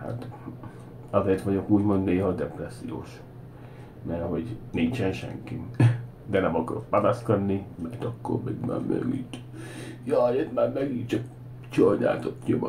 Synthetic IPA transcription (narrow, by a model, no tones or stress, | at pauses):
ha̰t̪ | ɒzeːrt̪ʋɒɟo̞kuːɟmo̞nd̪neːɦɒd̪ɛprɛsːijo̰ːʃ | mɛrɦo̞ɟniɲt͡ʃɛnʃɛ̰ŋki | d̪ɛnɛmɒkɒɾot̪pɒnɒskɒd̪nimɛjt̪ɒkːo̰rmɛ̰ɡma̰ːɾmɛ̰ɡit̪ | jɒet̪maːɾmɛɡiːtt͡ʃɒk̚ | t͡ʃɒjna̰ːt̪ot̪kemɒ